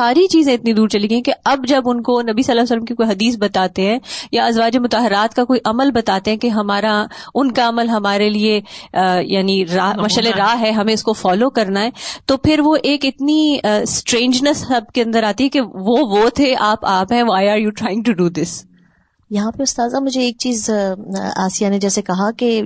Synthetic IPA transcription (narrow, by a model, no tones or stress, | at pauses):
saːɾit͡ʃiːzẽɪt̪nid̪uːɾt͡ʃɐliɡəjĩkeɐbd͡ʒɐbʊnkonɐbisɐlːaːjsələmkikoːiɦɐd̪iːs̬bɐt̪aːt̪eɦɛ̃ːjaɐzʋaːd͡ʒemʊt̪aːɦɪɾaːt̪kakoːiʔɐməlbɐt̪aːt̪ẽɦɛ̃keɦɐmaːɾaʊnkaɐməlɦɐmaːɾelie | jaːniɾaːmɐʃaleɾaːɦɦɛɦɐmẽɪskofɔːlokɐɾnaɦɛːt̪opʰɪɾʋoʔeːkɪt̪nisʈɾẽːɲd͡ʒnəsɦɐb̚keɐ̃nd̪əɾaːt̪iɦɛkeʋoʋot̪ʰeʔaːpaːpɦɛ̃ʋaːjaːɾjuːʈɾaːɪɪ̃ŋɡ̚ʈuɖuːd̪ɪs | jɐɦãpeʊst̪aːzamʊd͡ʒʱeːk̚t͡ʃiːz | aːsijaned͡ʒɛːsekɐɦake